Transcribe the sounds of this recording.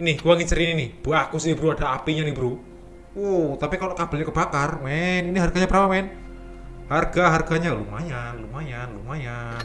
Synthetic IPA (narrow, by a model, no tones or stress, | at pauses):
nɪhkuwaŋit͡ʃəɾininɪhb̥uakusinibəɾuad̥aapiɲanibəɾu | ot̪apikalokab̥aɲakəb̥akarmɛniniɦarɡ̥aɲapəɾapaman | harɡ̥aɦarɡ̥aɲalumajanlumajanlumajann